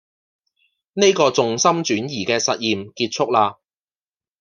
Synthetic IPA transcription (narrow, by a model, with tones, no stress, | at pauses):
ne˥jkɔː˧t͡sʊ˨ŋsɐ˥mt͡ʃyː˨˥njiː˨˩kɛː˧sɐ˨t̚jiː˨mkiː˧t̚t͡ʃʰʊ˥k̚laː˧